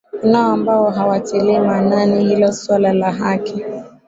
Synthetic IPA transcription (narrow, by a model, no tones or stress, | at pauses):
unaɔambawɔɦawatiliɛmananihilɔswalalaɦaki